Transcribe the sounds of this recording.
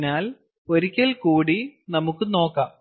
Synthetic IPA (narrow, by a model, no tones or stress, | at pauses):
naːl | oɾikʲːɐlkuːɽinɐmukːɨno̞ːkːaːm